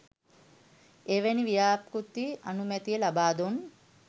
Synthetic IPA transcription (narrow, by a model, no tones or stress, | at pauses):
eʋeniʋijaːpkut̪ːia̰numɛt̪ijelabaːd̪un